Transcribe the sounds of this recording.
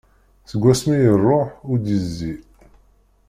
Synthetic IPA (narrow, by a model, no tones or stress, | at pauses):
θəɡʷːæsmijərˤːoħʊɾd̪jəzːi